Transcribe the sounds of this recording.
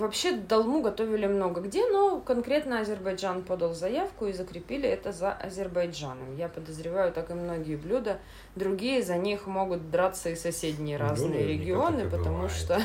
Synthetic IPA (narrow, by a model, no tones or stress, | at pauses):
vɐpɕːe̞d̪ɐlˠmuɡɐt̪o̞vʲɪlʲɪmno̞ɡəɡdʲe̞no̞kɐnkɾʲe̞t̪nəɐzʲɪrbɐjʐanpo̞d̪əlˠzɐjafkʊizəkɾʲɪpʲilʲɪɛt̪əzɐʔɐzʲɪrbɐjʐanəmʲjapəd̪əzɾʲɪvajʊt̪akɨmno̞ɡʲɪjəblʲud̪ə | d̪ɾʊɡʲijəzɐnʲixmo̞ɡʊt̪̚d̪ɾat̪sːəisɐsʲedʲnʲɪjəɾaznɨjəɾʲɪɡʲɪo̞nɨpət̪ɐmuʂt̪o